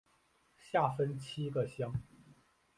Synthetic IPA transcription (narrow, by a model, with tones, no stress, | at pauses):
ɕja˥˩fə˦nt͡ɕʰi˥ɡə˨ɕjɑ˥ŋ